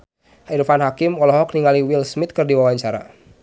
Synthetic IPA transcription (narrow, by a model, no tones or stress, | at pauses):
hairfanɦakɪmɔlɔɦɔkniŋaliwilsmɪt̪̚kərdiwawaɲt͡ʃaɾa̰